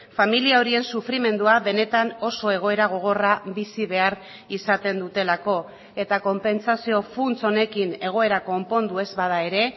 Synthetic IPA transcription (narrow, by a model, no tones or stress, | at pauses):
familiao̞ɾie̞nsufɾime̞nd̪uaβe̞ne̞t̪ano̞so̞e̞ɣ̞o̞e̞ɾaɣ̞o̞ɣ̞o̞rabisiβe̞aɾ | isat̪e̞nd̪ut̪e̞lako̞ | e̞t̪ako̞mpe̞nsasio̞funt͡so̞ne̞kine̞ɣ̞o̞e̞ɾako̞mpo̞nd̪ue̞zβað̞ae̞ɾe̞